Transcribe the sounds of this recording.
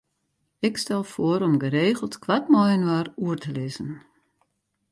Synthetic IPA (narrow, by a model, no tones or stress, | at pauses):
ɪkstɛlˠfoəɾɔmɡəɾeːɣəlˠtkʋatmɔjənwaːruərtəlɪzən